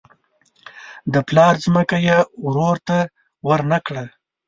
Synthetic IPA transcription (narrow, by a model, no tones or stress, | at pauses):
d̪əplɑɾzməkajeɾoɾt̪a | wəɾnakɽa